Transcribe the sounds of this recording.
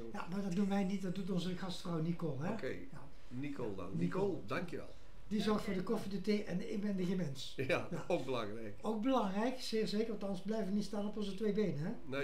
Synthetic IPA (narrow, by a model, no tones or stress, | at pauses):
ja̰maːɹdɑtnuməʋɛjnit̚dɑt̚dutɔnzəɣɑstfrɔwnikolˠɦɛe | ja | niko̰lˠdɑ̰nnikolˠdɑŋkjəʋɛ̰lˠ | dizɔɹxtfʊːɹdəkɔfidəteːʔɛnɪ̰bɛndəɣəmɛns | ajaok̚bəlɑ̰ŋrɛ̰jkowk̚bəlɑŋrɛjksɪːɹzeːkərɑtɑnsblɛjvənitstaːnɔpɔnzətʋejbejnəɦɛn